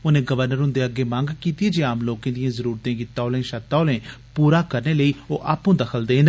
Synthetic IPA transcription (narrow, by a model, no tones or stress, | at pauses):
ʊnẽːɡəʋəɾnəɾɦʊnd̪eːəɡːeːmãːŋɡkiːt̪ieːd͡ʒeːaːmloːkẽːd̪ijãːzəɾuːɾt̪ẽːɡɪt̪ːaːʊlẽːʃət̪ːaːlẽːpuːɾaːkəɾneːləiːo̰ːʔaːpõːd̪əkʰəld̪eːn